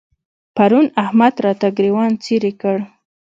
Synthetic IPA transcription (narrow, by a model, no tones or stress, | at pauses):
paɾunahmad̪ɾɑt̪aɡɾiwɑnt͡seɾekəɽ